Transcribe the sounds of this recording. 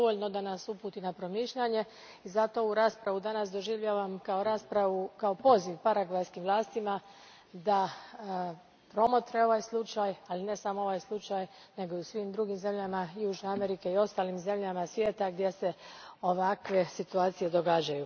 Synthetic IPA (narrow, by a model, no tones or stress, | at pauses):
d̪oʋoʎno̞d̪anasupuːt̪inapɾo̞miːʃʎaɲe̞ | izat̪o̞uɾaːspɾaʋud̪anas̬d̪o̞ʒiʋʎaʋamkao̞ɾaːspɾaʋukaopo̞ziʋpaɾaɡlajskimʋlˠaːst̪ima | d̪a | pɾo̞mot̪ɾe̞o̞ʋajslˠut͡ʃajaline̞samoo̞ʋajslˠut͡ʃaj | ne̞ɡo̞iusʋiːmd̪ɾuːɡimze̞mʎamajuːʒneame̞ɾike̞io̞st̪aːlimze̞mʎamasʋje̞ːt̪aɡd̪je̞se̞o̞ʋakʋe̞sit̪uaːt̪sije̞d̪o̞ɡaːd͡ʑaju